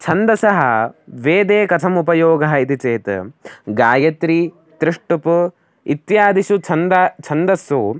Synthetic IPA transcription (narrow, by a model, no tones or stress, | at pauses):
t͡ʃʰɐnd̪ɐsɐɦɐ̰ʋeːd̪eːkɐt̪ʰɐmupɐjoːɡɐɦɐit̪it͡ʃeːt̪ɡaːjɐt̪ɾi | t̪ɾiʂʈupu | it̪jaːd̪iʃut͡ʃʰɐnd̪t͡ʃʰɐnd̪ɐsu